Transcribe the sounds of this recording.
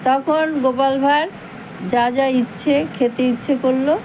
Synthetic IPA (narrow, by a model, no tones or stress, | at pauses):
t̪ɔkʰonɡopalbʱaɾ | d͡ʑad͡ʑaitːɕʰekʰet̪eitːɕʰekoɾlo